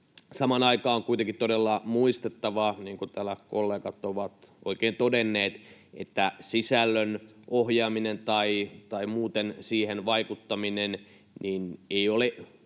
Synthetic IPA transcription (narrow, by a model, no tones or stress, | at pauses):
sɑmɑnɑikɑːoŋkuit̪eŋkit̪t̪odelːɑmuist̪et̪ːɑʋɑniːŋkut̪ælækolːeːkɑt̪ːoʋɑt̪ʔo̰ikeːnt̪odenːeːt̪ʔḛt̪ːæsisælːønʔohjɑːminent̪ɑit̪ɑimuːt̪ensiːhenʋɑikut̪ːɑminen | nineioleʔ